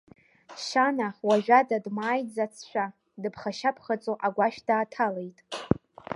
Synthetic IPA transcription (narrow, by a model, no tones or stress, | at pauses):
ʃanaχwaʒᶣadadmaːjd͡zat͡sʰʃʷᶣa | dɨpʰχaʃapʰχat͡sʼoʔaɡʷaʃdaːtʰale̞jtʼ